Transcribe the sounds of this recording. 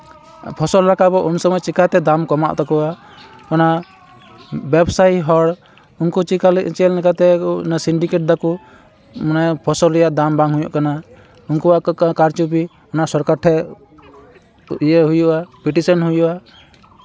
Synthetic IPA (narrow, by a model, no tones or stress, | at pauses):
pʰɔsɔllakabɔʔunsɔmɔjt͡ʃikat̪ɛd̪amkɔma̰ʔt̪ɔkɔwa | ɔnaʔ | bɛbsajiɦɔɽ | unkut͡ʃikalt͡ʃɛlnɛkat̪ɛnasiɳɖikeʈ̚d̪aku | manapʰɔsɔlːɛjaʔd̪ambãŋɦujɔʔkana | unkuwaʔkaɾt͡ʃup̬i | ɔnaʔsɔɾkaʈʰːɛ | jɛɦujuʔapiʈisɔnɦujuʔa